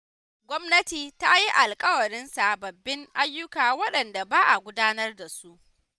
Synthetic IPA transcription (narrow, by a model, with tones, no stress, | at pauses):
ɡʷɔ˦mnɐ˦tiː˨ta˦ji˦ʔa˨lkʼɐ˦wɐ˨ɾɪ˦nsa˨bɐ˨bːɪ˦ŋʔa˦jːʊ˦kaː˨wɐ˦ɗɐ˨nda˨baː˦ʔa˨ɡʷʊ˦daː˦nɐ˦rda˨su˦ʔ